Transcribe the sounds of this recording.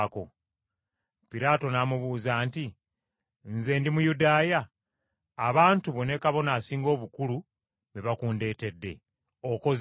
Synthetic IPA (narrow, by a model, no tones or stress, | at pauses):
ko | piɾaːto̞namuβuːzaːnti | nze̞ːndimujudaːjaː | βaːntuβo̞ne̞kaβo̞naːsiːŋɡo̞ːβukulu | βeβakuːnde̞ːte̞dːe̞̰ | o̞ko̞z